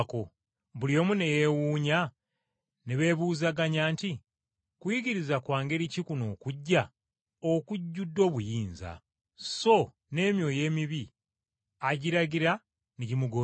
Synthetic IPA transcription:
ko | βuljo̞ːmune̞je̞wuːɲa | neβe̞ːβuːzaɡaɲaːnti | kwjiɡiɾizakwaːŋɡe̞ɾicikuno̞ːkuɟːa | okuɟːudːo̞ːβujiːnza̰ | so̞ | ne̞ːmjo̞ːje̞ːmiβi | aɟiɾaɡiɾa | neɟimuɡo

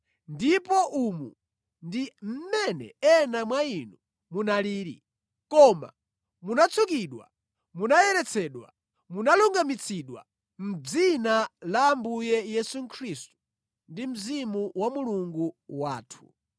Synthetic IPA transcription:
ndipɔʔumṵ | ndim̩mɛnɛ̰ɛnamwainu | munaliːɾḭ | kɔma̰ | munat͡sʰukiɗwa̰ | munajɛɾɛt͡sʰɛɗwa̰ | munaluŋɡamit͡sʰiɗwa̰ | m̩d͡zinalaːmbujɛjɛsuŋkʰɾistu̥ | ndim̩zimuwamuluŋɡuwaːtʰu̥̰

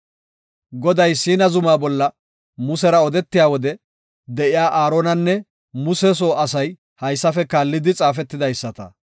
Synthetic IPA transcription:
ɡɔd̪ɐjsiːnɐzʊmaːbɔlːɐ | mʊsɛɾɐɔd̪ɛt̪ːɪjaːwɔd̪ɛ | d̪ɛʔɪjaːʔaːɾoːnɐnːɛ | mʊsɛs̬oːɐsɐj | hɐjsːɐfɛkaːlːɪd̪ɪt͡sʼaːfɛt̪ːɪd̪ɐjsːɐt̪ɐ

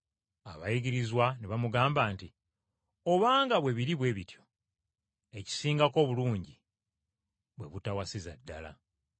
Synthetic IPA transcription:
aβajiɡiɾizwaniβamuɡaːmbaːnti | o̞βaːŋɡaβwe̞βiɾiβwe̞ːβitjo̞̥ | e̞ci̥siːŋɡako̞ːβuluːɲɟi | βwe̞βutawasiza̰dːa̰la̰

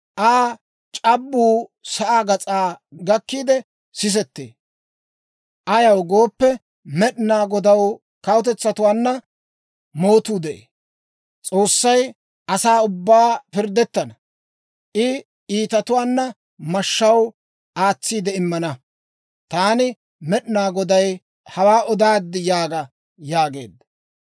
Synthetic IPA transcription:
ʔaː | t͡ʃʼɐbːuːsɐʔaːɡɐt͡sʼaːɡɐkːiːd̪ɛ | sɪs̬ɛt̪ːḛː | ʔɐjɐwɡoːpːɛ | mɛɗnaːɡɔd̪ɐw | kɐwʊt̪̬ɛt͡sːɐt̪ʊwaːnːɐ | mo̞ːt̪uːd̪ɛʔḛː | t͡sʼo̞ːsːɐj | ʔɐsaːʊbːaːpɪɾd̪ːɛt̪ːɐnɐ | ʔɪ | iːt̪ɐt̪ʊwaːnːɐ | mɐʃːɐw | ʔaːt͡sːiːd̪ɛɪmːɐnɐ | t̪aːnɪ | mɛɗnaːɡɔd̪ɐj | hɐwaːʔɔd̪aːd̪ːɪjaːɡɐ | jaːɡe̞̰ːd̪ɐ

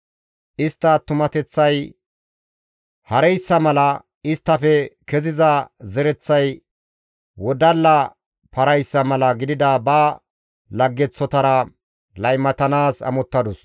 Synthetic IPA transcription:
ʔɪst̪ːɐt̪ʊmɐt̪ɛt͡sːɐj | hɐɾɛjsːɐmɐlɐ | ɪst̪ːɐfɛkɛzɪzɐzɛɾɛt͡sːɐj | wɔd̪ɐlːɐ | pɐɾɐjsːɐmɐlɐɡɪd̪ɪd̪ɐbɐː | lɐɡːɛt͡sːɔt̪ɐɾɐ | lɐjmɐt̪ɐnaːsɐ̰mɔt̪ːɐd̪ɔs

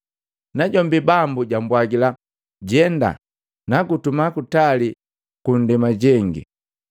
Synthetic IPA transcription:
naɟɔmbibambuɟambwaɡila | ɟɛnda̰ | naɡutumakutali | kun̩dɛmaɟɛŋɡḭ

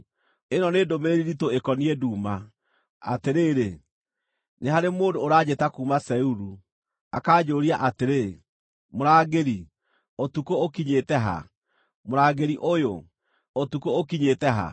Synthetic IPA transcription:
enɔneːdomeɾeɾiɾitoekɔniɛduːma | a̰teɾeːɾe | neɦaɾemoːdoːɾaːd͡ʑetakuːmasɛuɾu | a̰kaːd͡ʑoːɾiaʔateɾe | moɾaːɡeɾi | otukookiɲetɛɦa̰ | moɾaːɡeɾiʔojo | otukookiɲetɛɦa̰

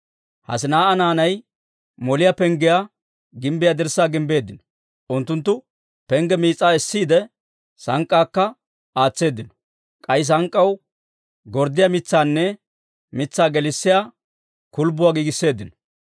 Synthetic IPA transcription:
hɐ̰sɪnaːʔɐnaːnɐj | mɔlɪjapɛŋɡɪja | ɡɪmbɪjad̪ɪɾsːaːɡɪmbe̞ːd̪ːɪnɔ̥ | ʔʊnt̪ːʊnt̪ːʊ | pɛŋɡɛmiːt͡sʼːaːɛsːiːd̪ɛ | sɐŋkʼːaːkːɐ | aːt͡sːe̞ːd̪ːɪnɔ̥ | kʼɐjs̬ɐŋkʼːɐw | ɡɔɾd̪ːɪjamɪt͡sːaːnːɛ | mɪt͡sːaːɡɛlɪsːɪja | kʊlbʊwaːɡiːɡɪsːe̞ːd̪ːɪnɔ̥

